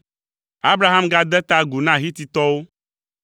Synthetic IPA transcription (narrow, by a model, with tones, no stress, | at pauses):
a˦bɾa˦ɦa˦mɡa˦d̪ɛ˦t̪a˦ɡu˨nã˦ɦi˦t̪i˦t̪ɔ˦wo˦